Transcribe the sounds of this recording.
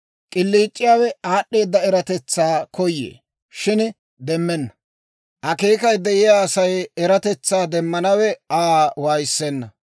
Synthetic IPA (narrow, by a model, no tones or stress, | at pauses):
kʼɪlːiːt͡ʃʼːɪjaːwɛaːɗːe̞ːd̪ːɐɛɾɐt̪ɛt͡sːaːkɔjːḛː | ʃɪn | d̪ɛmːɛnːɐ̥ | ʔɐke̞ːkɐjd̪ɛʔɪjaːɐsɐjɛɾɐt̪ɛt͡sːaːd̪ɛmːɐnɐwɛaːwaːjsːɛnːɐ